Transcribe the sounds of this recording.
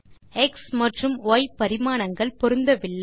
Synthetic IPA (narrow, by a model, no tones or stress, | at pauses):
ɛksmɐʈrɯmoːjpːɐɾɪmaːnɐŋɡɐɭpɔɾɯnd̪ɐʋɪɭː